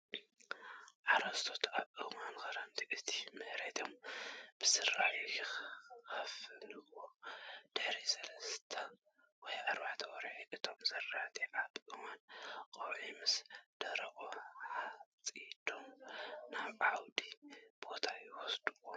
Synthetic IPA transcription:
ʕaɾɐst̪ʰot̪aβʔɨmankɐɾɐnt̪ʰiʔɨt̪ʰi̥mɨhɾet̪ʰomb̥ɨsɨɾːaħ | xɐfɨlɨʔwod̪̥ɨħɾisɐlɐst̪ʰɐ | wɔjʔaɾbaʕt̪ʰɐwɔɾʕiʔɨt̪ʰo̞mzɐrat̪ʰiʔaβʔɨmanqʼɐwʕimɨsd̪̥ɐɾɐʔʼoħat͡sʼid̪̥omnaβʕawd̪ib̥o̞t̪ʰajiwɔsd̪̥uwo

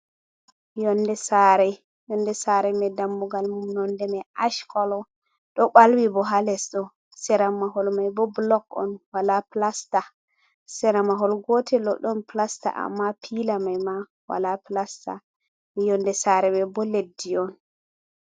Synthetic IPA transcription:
jɔndɛsaɾɛ | jɔndɛsaɾɛmɛdamːuɡalmumnɔndɛmɛaʃkɔlɔ | ɗɔɓalwibɔɦalɛsɗɔ | sɛɾamaɦɔlmajbɔblɔkɔ̰nwalaplasta | sɛɾamaɦɔlɡotʰɛlɔɗɔnplasta̰ʔa̰mːapʰilamajma | wa̰laplasta̰ | ijɔndɛsaɾɛbɛbɔledːiɔn

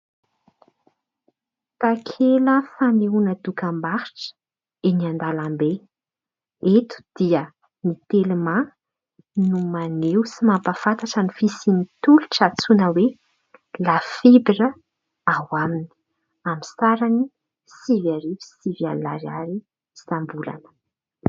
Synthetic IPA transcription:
t̪akʰeləfaneunəd̪ukambahiʈ͡ʂə̥ | eniand̪alambe | et̪u̥d̪̥iə | nit̪elima | numanewsimampəfant̪aʈ͡ʂənifisinit̪uluʈ͡ʂat͡sunəwe | lafibiɾə | awamini̥ | amisaɾani | sivaɾivi̥sivja̰la̰ɾiaɾi | sambula̰nə̥

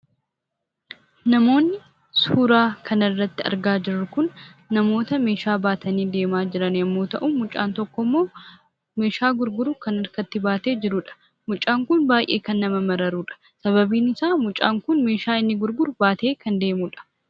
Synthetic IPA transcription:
nɐmo̞ːnːɪ | suːɾaːkʰɐnɐrːɐt̪ːɪɐ̰ɾɡaːd͡ʒɪrːʊkʊnː | ɐmo̞ːt̪ɐme̞ːʃaːbaːt̪ʰɐniːd̪e̞ːmaːd͡ʒɪɾɐnɐmːo̞ːt̪ɐʔumʊt͡ʃʼːa̰ːnt̪ɔkːɔmːo̞ː | me̞ːʃaːɡʊɾɡʊɾʊkɐnɐɾkɐt̪ːɪbaːt̪e̞ːd͡ʒɪɾʊᶑɐ̥ | mʊt͡ʃʼːaːŋkʊnbaːjʔe̞̰ːkɐnːɐmɐmɐɾɐɾuːᶑɐ̥ | sɐβɐbiːnɪsaːmʊt͡ʃʼa̰ːŋkʊnme̞ːʃaːɪnːɪɡʊɾɡʊɾʊbaːt̪e̞ːkɐnd̪e̞ːmuːᶑɐ̥

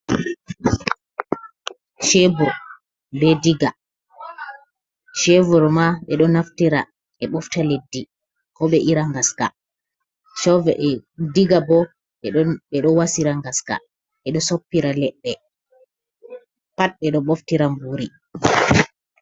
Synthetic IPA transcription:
ʃebuɾ | bɛdiɡa | ʃevuɾmaɓɛɗɔnaftiɾa | ɛɓɔftaledːi | kɔɓɛʔiɾaŋɡaska̰ | ʃɔvɛdiɡabɔ | ɓɛɓɛɗɔwasiɾaŋɡaska̰ | ɛɗɔsopːiɾalɛɗːɛ | pat̚ɓɛɗɔɓoftiɾambuɾi

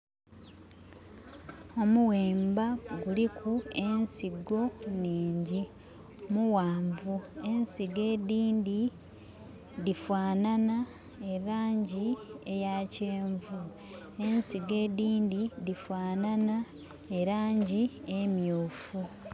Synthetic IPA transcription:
o̞muweːmbaɡulikʰue̞nsiɡo̞niːɲɟi | muwaːɱvue̞nsiɡe̞ːdiːndi | ðifwaːnana | e̞ɾaːɲɟiejaceːɱvu | e̞nsiɡe̞ːdiːndidifwaːnana | eɾaːɲɟie̞mjoːfu

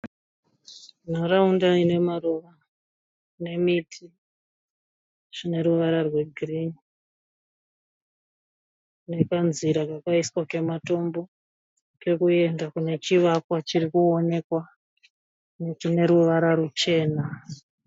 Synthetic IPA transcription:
n̤aɾaundaine̞maruʋa | ne̞mitʰi | ʐ̥ine̞ɾuʋaɾarwe̞ɡʱirini | ne̞kanziɾakakaiswake̞mato̞mbo̞ | ke̞kue̞ndakune̞t͡ʃiʋakwat͡ʃirikuone̞kwa | nekune̞ɾuʋaɾaɾut͡ʃe̞ːna

